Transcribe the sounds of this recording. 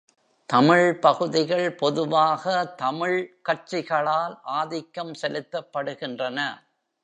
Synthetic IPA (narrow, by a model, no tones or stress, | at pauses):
t̪ɐmɪɻpɐɣɯðɪɣɐɭpɔðɯʋaːɣɐt̪ɐmɪɭkɐʈʈ̚t͡ʃɪɣɐɭaːlʔaːðɪkːɐmsɛlɯt̪ːɐpːɐɽɯɣɪndrɐnɐ